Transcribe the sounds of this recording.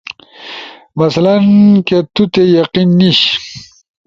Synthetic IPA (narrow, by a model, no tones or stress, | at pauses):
mɐslanket̪ut̪ejaqinːiɕ